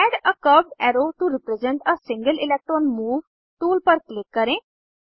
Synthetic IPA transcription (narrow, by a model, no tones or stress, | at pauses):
ɛːɖəkəʋɖɛːɾoːʈuɾɪpɾɛzɛ̃ɳʈəsɪ̃ŋɡəlɪlɛːk̚ʈɾɔːnmuːʋ | ʈuːlpəɾklɪkːəɾẽː